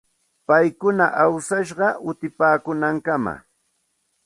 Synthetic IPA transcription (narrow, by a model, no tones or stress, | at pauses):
pajkʊnaʔawsaʃɢɑʔʊt̪ɪpaːkʊnaŋkama̰